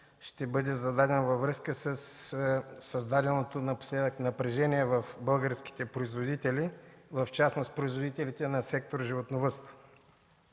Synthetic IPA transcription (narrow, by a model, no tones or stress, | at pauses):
ʃt̪ɛbɤd̪ɛzɐd̪ad̪ɛnvɐvɾɤskəsəsː | ɐzd̪ad̪ɛlˠnot̪onɐpo̥slɛd̪əknɐpɾɛʒɛniɛvɐfbɤlˠɡəɾskʲi̥t̪ɛpɾoizvod̪it̪ɛlivɐft͡ʃasnost̪pɾoizvod̪it̪ɛlit̪ɛnɐsɛk̚t̪oɾʒivot̪novɤst̪ə̥